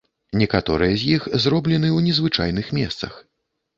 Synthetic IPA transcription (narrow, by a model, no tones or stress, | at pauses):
nʲɛkat̪ɔɾɨjɐzʲjixzrɔblʲɛnɨwnʲɛzvɨt͡ʂa̰jnɨxmʲɛst̪sɐ̰x